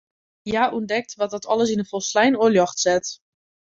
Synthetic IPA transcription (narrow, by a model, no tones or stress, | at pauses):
jaːʔundɛk̚tʋɔt̚dɔtʰɔləs̬inəfɔlˠslɛjnoljɔχtsɛt